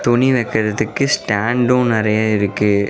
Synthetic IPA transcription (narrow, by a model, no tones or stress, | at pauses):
t̪ɔɳiʋɛkːɪɾɐðɯkːɯsʈaːɳɖõnɪɾɐjaɪɾɯkːɯ